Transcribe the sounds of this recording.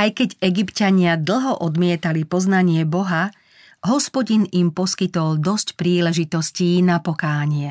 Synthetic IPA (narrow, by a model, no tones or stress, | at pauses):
ajkɛɟɛɡipcaɲɪad̪l̩ˠɦɔʔɔd̪mɪɛt̪alipɔznaɲɪɛbɔɦa | ɦɔspɔɟinimpɔskit̪ɔld̪ɔscpɾiːlɛʒit̪ɔsciːnapɔkaːɲɪɛ